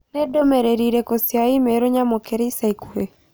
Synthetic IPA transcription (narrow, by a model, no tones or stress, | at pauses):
nɛdomeɾeɾiɾekosjaimeɾoɲamokeɾeisaikue